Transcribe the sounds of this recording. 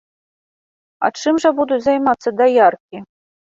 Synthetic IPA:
a̰t͡ʂɨmʐɐbud̪uzajmat̪sːɐd̪ajarkʲi

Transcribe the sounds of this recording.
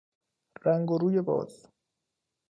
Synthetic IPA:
ræŋɡoɾuːjebɒ̰ːz̥

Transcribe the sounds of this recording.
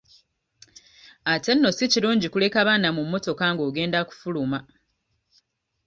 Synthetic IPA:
ate̞nːo̞siciɾuːɲɟikule̞kaβaːnamumːo̞to̞kaŋɡo̞ːɡe̞ːndaku̥fuluma

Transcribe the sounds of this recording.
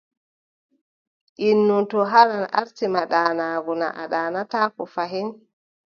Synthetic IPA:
ʔinːuntɔɦalanʔa̰ɾtimaɗaːnaːɡuna̰ʔa̰ɗaːnataːkɔfaɦɛn

